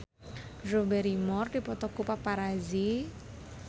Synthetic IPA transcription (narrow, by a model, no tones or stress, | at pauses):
robɛɾimɔrdipɔt̪ɔkupapaɾazi